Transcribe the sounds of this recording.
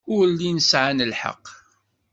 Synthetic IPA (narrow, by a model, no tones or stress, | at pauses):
ʊɾlːinəsʕanəlħə̰qː